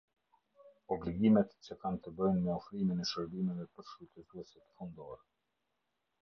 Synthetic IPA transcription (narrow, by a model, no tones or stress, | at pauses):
ɔbliɡimɛt̪t͡ɕəkant̪əbəjnmɛɔfɾiminɛʃəɾbimɛvɛpəɾʃɾut̪əzuɛsɛt̪ə̥fund̪ɔɾɛ